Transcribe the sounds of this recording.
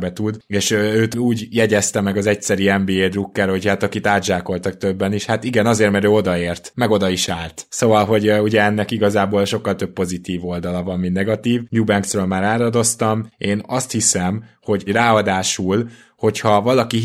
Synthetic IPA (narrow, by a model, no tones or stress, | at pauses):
bɛt̪ud̪eːʃøøːt̪uːɟjɛɟɛst̪ɛmɛɡɒzɛc̚sɛɾyɛmbiːeːd̪rukːɛɾho̞chat̪ɒkit̪aːd̪ʒaːko̞lt̪ɒk̚t̪ø̞bːɛniʃhat̪iɡɛnɒzeːrmɛɾøːo̞d̪ɒeːrt̪mɛɡo̞d̪ɒiʃaːlt̪so̞vɒlɦo̞ɟuɟɛɛnːɛkiɡɒzaːboːlʃo̞kːɒlt̪ø̞p̚po̞zit̪iːvo̞ld̪ɒlɒvɒmminnɛɡɒt̪iːvjuːbɛŋksrøːlmaːɾaːɾɒd̪o̞st̪ɒmeːnɒst̪hisɛmho̞ɟraːɒd̪aːʃul | ho̞chɒvɒlɒki